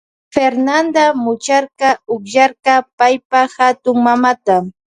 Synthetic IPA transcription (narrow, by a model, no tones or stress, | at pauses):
feɾnand̪amʊt͡ʃaɾqɑʊkʒaɾqɑpajpahat̪ʊŋmamat̪a